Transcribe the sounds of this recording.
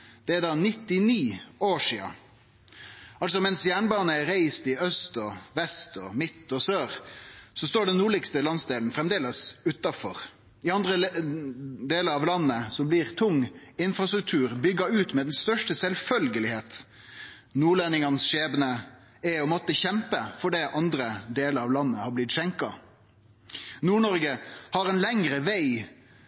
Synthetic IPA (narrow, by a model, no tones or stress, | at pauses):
d̪̥ɛæd̪ɑːnɪt̪ːɪniːoːʂiːɑ̰ | ɑls̬ɔmɛnsjæːɳbɑːnəɛɾæɪst̪ɪœst̪ɔʋɛst̪ɔmɪt̪ːɔsøːɾsɔst̪oːɖɛnːuːɭɪkst̪əlɑnsd̪eːln̩fɾɛmd̪eːləsʉːt̪ɑfɔɾ | ɪɑnd̪ɾə | d̪eːləɾɑʋlɑnːəsɔmblɪɾt̪ʰʊŋːɪnfɾɑst̪ɾʉk̚t̪ʰʉːɾbʏɡːəʉːt̪mɛd̪ɛnst̪œʂʈəsɛlfœlɡəlɪheːt̪ | nuːɭenɪŋɑnsʂeːbənə | ɛɔmɔt̪ːəçɛmpəfɔɖɛʔɑnd̪ɾəd̪eːləɾɑʋlɑnːəhɑblɪt̪ʃɛŋkɑ | nuːɳɔɾɡəhɑɾɛnlɛŋɾəʋæɪ